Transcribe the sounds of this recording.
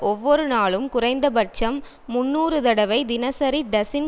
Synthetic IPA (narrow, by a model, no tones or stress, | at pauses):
ʔɔʋːɔɾɯnaːɭɯmkʊrɐɪnd̪ɐbɐɾt͡ʃɐmː | ʊnːuːɾɯt̪ɐɽɐʋɐɪd̪ɪnɐsɐɾiɖɐsɪn